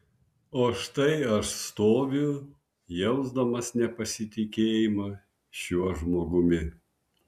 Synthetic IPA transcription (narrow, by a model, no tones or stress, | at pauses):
oːʃt̪ɐɪɐʃst̪oːʋʲʊ | jɛʊzd̪ɐmɐsnʲɛpɐsʲɪt̪ʲɪkʲeːjɪmɐ | ʃʲuɔʒmoːɡʊmʲɪ